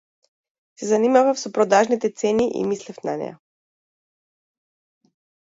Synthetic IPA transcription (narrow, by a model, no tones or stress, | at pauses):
sɛzanimavafsɔpɾɔd̪aʒnit̪ɛt̪sɛniʔḭmislɛfna̰nɛ̰ja̰